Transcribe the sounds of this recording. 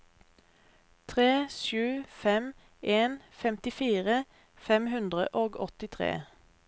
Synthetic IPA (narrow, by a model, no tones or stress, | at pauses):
t̪ʰʁeːʃʉːfɛm | ʔeːn | fɛmt̪ɪfiːʁə | fɛmhʉnd̪ʁə̰ʔoːɡɔt̪ɪt̪ʰʁḛː